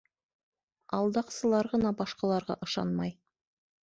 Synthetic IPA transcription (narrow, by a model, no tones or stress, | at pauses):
ɑlˠd̪ɑqsɤ̆lˠɑɾʁɤ̆nɑbɑʃqɑlˠɑɾʁɑ̰ʔɤ̆ʃɑ̰nmɑj